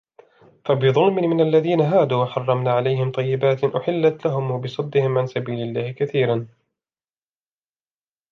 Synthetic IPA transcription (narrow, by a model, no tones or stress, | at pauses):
fabɪðˤʊlmɪmɪnalːaðiːnaɦaːd̪uːwaħɑrˤːɑmnaːʕalajɦɪmt̪ˤɑjːɪbaːt̪ʔʊħɪlːat̪laɦʊmwabɪsˤɑd̪ːɪhɪmʕansabiːlɪlːaːhɪkaθiːɾan